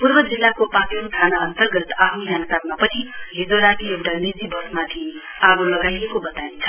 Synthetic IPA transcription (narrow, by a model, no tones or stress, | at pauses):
purbʌd͡zilːakopãk̪eɾut̪ʰanaʌnt̪ʌrɡʌt̪aɦuɦanat̪almapʌt͡sʰiɦed̪oɾakiewʈanid͡zibʌsmat̪ʰi | abulʌɡajekobʌt̪aint͡sʰʌ̥